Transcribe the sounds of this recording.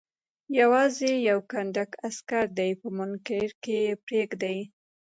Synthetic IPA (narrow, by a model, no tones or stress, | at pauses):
jawɑzejawkaɳɖ̪akaskaɾd̪ajpəmʊnkeɾkejepɾeɡd̪aj